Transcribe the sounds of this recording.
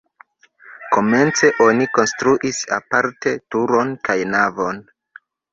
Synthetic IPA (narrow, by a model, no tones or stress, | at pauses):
ko̞me̞nt͡se̞ʔo̞niko̞nstɾuʔisa̰paɾte̞tuɾo̞nkajnavo̞n